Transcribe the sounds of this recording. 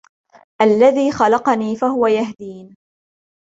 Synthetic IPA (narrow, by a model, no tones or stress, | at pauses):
ʔalːaðiːxɑlɑqɑniːfaɦʊwajahd̪iːn